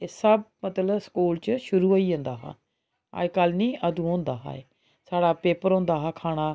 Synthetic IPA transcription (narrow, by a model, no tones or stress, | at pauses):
esəb̚mət̪ləbskuːlt͡ʃʃʊɾuːoːiːõːnd̪aːɦã̰ː | a̰ːkalnĩːʔəd̪ũːõːnd̪aːɦa̰ːḛː | saːɽaːpeːpəɾõːnd̪aːɦaːkʰaːɽ̃aː